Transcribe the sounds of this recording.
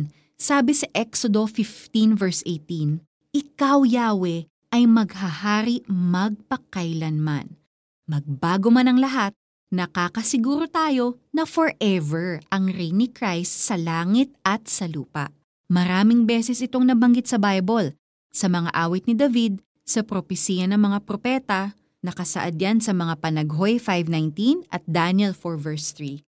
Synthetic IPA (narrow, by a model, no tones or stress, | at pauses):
saːbɪsɐʔɛksod̪o̞fɪft̪invɛɹsʔejt̪in | ʔɪkawjaːwɛ | ʔɐjmɐɡhɐhaːɾiʔmɐɡ̚pɐkɐjlɐnma̰n | mɐɡ̚baːɡo̞manɐŋlɐɦat̪̚ | nɐkaːkɐsɪɡuːɾo̞t̪aːjo̞nɐfoɹʔɛvɛɹʔɐŋɾijnikɾajst̪sɐlaːŋit̪̚ɐt̪̚sɐluːpɐ̰ʔ | mɐɾaːmɪŋbɛːsɛsʔɪt̪o̞ŋnɐbɐŋɡit̪̚sɐbajbol | sɐmɐŋa̰ʔaːwɪt̪̚nɪd̪ɐvid̪̚ | sɐpɾopɛsiːjɐnɐŋmɐŋapɾopɛt̪ɐ | nɐkɐsɐ̰ʔɐd̪jansɐmɐŋapɐnɐɡɦo̞jfajvnajnt̪inɐt̪̚d̪anjɛlfoɹvɛɹst̪ɹi